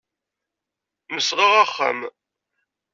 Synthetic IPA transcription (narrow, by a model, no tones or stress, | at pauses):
məsʁiʁaχːa̰m